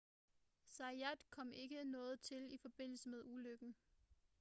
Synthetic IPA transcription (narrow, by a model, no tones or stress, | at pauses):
sɑ̈æd̥kʰɒ̽m̰e̝ɡ̥ənɔ̽ːð̞̩ˠt͡sʰe̝lifɒ̽b̥e̝n̰l̩səmeð̞ˠuløɡ̥n̩